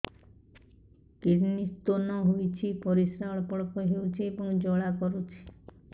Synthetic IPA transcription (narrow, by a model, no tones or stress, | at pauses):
kiɾnist̪onɔɦojt͡ʃʰipɔɾisɾaɭɔpɔɽɔkɔɦewt͡ʃʰiebɔŋd͡ʒɔɭakɔɾut͡ʃʰi̥